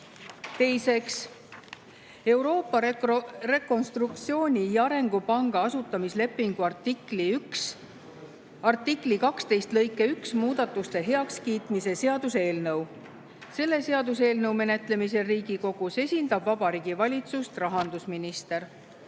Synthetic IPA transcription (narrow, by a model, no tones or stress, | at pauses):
t̪e̞jse̞ks | e̞wɾo̞ːpːɑre̞kːˑo̞nst̪rukt̪sio̞ːnʲijɑɾe̞ŋɡ̥upɑŋɡ̥ɑɑsut̪ˑːɑmisle̞pːˑiŋɡ̥uɑrt̪ikliyks | ɑrt̪ːiklikɑkst̪e̞jst̪lɤ̞jkːˑe̞yksmuːd̪̥ɑt̪ːˑust̪e̞ɦe̞ɑkskiːt̪mise̞se̞ɑd̪̥use̞ːlnɤw | se̞lːe̞se̞ɑd̪use̞ːlnɤwme̞ne̞t̪ˑle̞mise̞riːɡ̥iko̞ɡ̥use̞sʲind̪̥ɑbvɑbɑɾiːɡ̥ivɑlʲit̪sust̪rɑɦɑnd̪̥usminist̪e̞ɾ